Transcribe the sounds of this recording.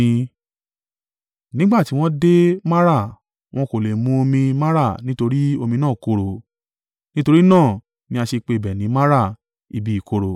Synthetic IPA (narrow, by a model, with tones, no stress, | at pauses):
nĩ˦ɡ͡ba˦˨ti˦w̃ɔ̃˦de˦ma˦ɾa˦˨ | w̃ɔ̃˦ko˨le˨mũ˨˦o˧mĩ˧ma˦ɾa˦˨nĩ˦to˧ɾi˦o˧mĩ˧nãː˦˨ko˧ɾo˨ | nĩ˦to˧ɾi˦nãː˦˨ | nĩ˨˦a˧ʃe˧k͡pe˧˨bɛ˨nĩ˨˦ma˦ɾa˦˨ | i˧bi˧˦i˨ko˧ɾo˨